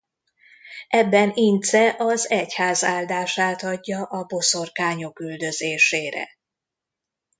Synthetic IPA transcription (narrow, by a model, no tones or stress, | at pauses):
ʔɛbːɛnint̪sɛʔɒzɛchaːzaːld̪aːʃaːt̪ɒɟːɒʔɒbo̞so̞rkaːɲo̞kyld̪ø̞zeːʃeːɾɛ̰